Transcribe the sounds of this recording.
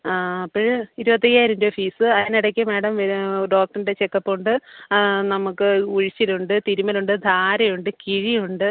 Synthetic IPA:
aːɐpːoɻiɾubɐt̪̬ːɐjaːjiɾɐndofiːsɨɐðinɐɽɐkʲːɐmeːɽɐmʋeɖo̞ːk̚ʈːɐrndet͡ɕekːɐpːuɳɖɨnɐmukːɨuɻit͡ɕːiluɳɖɨt̪iɾumɐluɳɖɨd̪ʱaːɾɐjuɳɖɨkiɻijuɳɖɨ

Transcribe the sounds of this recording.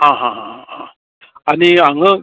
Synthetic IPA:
ɦãɦãɦãã | aniaŋə

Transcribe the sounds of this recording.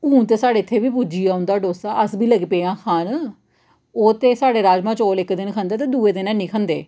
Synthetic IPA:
ũːnt̪eːsaːɖeːɪt̪ʰːeːbiːpuːd͡ʒiːaːʊ̃nd̪aːɖoːsaːʔəsbʱiːləɡpeːãːkʰaːn | oːt̪eːsaːɽeːɾaːd͡ʒmãːt͡ʃoːlɪkd̪ɪnkʰə̃nd̪aːt̪eːd̪uːeːd̪ɪnaːnĩːkʰənd̪ḛː

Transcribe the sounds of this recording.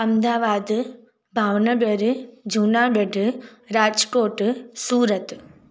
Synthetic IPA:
ɐmd̪aːʋaːd̪ | bʱaːʋnɐbɐɾd͡ʒunaːbɐɖʱɾaːd͡ʒkoːʈsuːɾɐt̪

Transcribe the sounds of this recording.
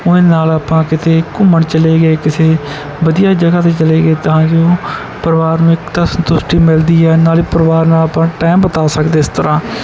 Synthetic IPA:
ʊnẽːnaːlaːpãːkɪt̪eːkʊməɳt͡ʃəleːɡəeːkɪseː | ʋəd̪ɪjaːd͡ʒəɡaːt̪̬eːt͡ʃəleːɡeːt̪ʊɦãːd͡ʒoː | pəɾʋaːɾnũːɪkt̪aːsənt̪ʊsʈiːmɪld̪iːɛːnaːliːpəɾəʋaːɾnaːləpãːʈaːmbət̪aːsəkd̪eːɪst̪əɾãː

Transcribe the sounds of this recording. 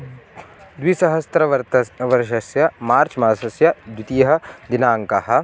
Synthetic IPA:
d̪wisɐɦɐst̪ɾɐʋɐɾt̪ʋɐɾʃɐsjɐmaːɾt͡ʃmaːsɐsjɐd̪ut̪ijɦɐ̆d̪inaːŋkɐɦɐ̆

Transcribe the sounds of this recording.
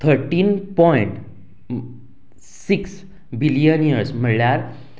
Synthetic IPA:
t̪ʰəɾʈiːnpɔiɳʈ | siks | bilijənijəɾsm̤əɽljaɾ

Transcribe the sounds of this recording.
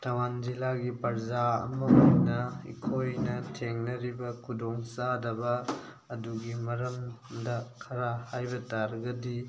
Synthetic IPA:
tʰɐwanzilaɡipɐɾzaɐ̰mɐojnɐḭkʰojnɐtʰeŋnɐɾibɐkʰudoŋsadɐbɐː | duɡimɐɾɐmdɐkʰɐɾahajbɐtaɾɡɐdi

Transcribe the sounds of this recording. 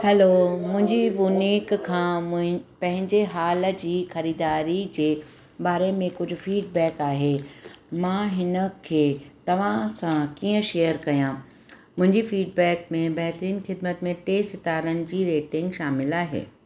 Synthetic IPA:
hɛloːmʊ̃ɦɪ̃ɲd͡ʑibʊniːkkʰãːpɐ̃ɦɪ̃ɲd͡ʑeɦaːlə̆d͡ʑiːxɐɾiːd̪aːɾid͡ʑeː | baːɾemẽkʊd͡ʑʱʊ̆fiːɖbɛːkaːɦeːmãːɦɪnə̆kʰeːt̪ɐʋ̤ãsãkiːə̃ʃeːjəɾkɐjã | mʊ̃ɦɪ̃ɲd͡ʑifiːɖ̚bɛːkmẽbɐɦt̪ɾiːnxɪd̪̚mət̪mẽʈeːsɪt̪aːɾənɪ̆d͡ʑiːɾeːʈɪ̃ŋɡʃaːmɪlaːɦḛː

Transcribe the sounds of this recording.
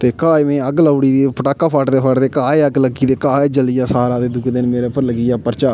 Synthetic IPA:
t̪eːkaːeːmẽːəɡlaʊɽiːd̪eːpəʈaːkːaːpʰaːʈd̪eːpʰaʈd̪eːkaːeːəɡləɡiːd̪eːkaːeːd͡ʒəliːjaːsaːɾãːd̪eːd̪ʊɡd̪enmeːɾeːpəɾləɡiːaːpəɾt͡ʃaː

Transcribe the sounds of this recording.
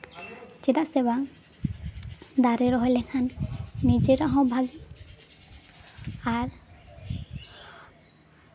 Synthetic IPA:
t͡ʃɛd̪aʔsɛbaŋ | d̪aɾɛɾɔɦɔjlɛkʰanːid͡ʒɛɾaʔɦɔ̃bʱaɡɛ | aɾ

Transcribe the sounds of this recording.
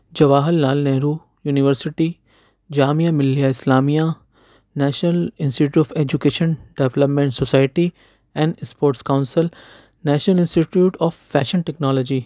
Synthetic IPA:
d͡ʑɐʋaːɦəlnaːlnɛɦɾuː | juːniʋəɾsɪʈi | d͡ʑaːmijamɪlijaɪslaːmija | nɛːʃnəlɪ̃nsʈiʈʲuːʈɔːfeːd͡ʑukeːʃə̃nɖeʋləpmẽɳʈsosaːɪʈi | ɛ̃ːɳɖspoːɾʈskaʊ̃nsɪl | nɛːʃnəlɪ̃nsʈiʈjuːʈʰɔːfːɛːʃənʈɛknɔːlɔːd͡ʑi

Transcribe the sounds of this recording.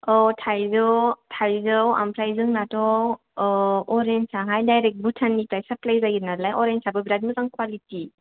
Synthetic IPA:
ɔtʰajzɯwtʰajzɯwa̰mpɾajzɯŋnatɔ | ɔɾensaɦajdajɾek̚t̚butʰanːipajsaplajzaɡiɾnalajɔɾensʰabɯbɾadmɯzaŋkwaliti

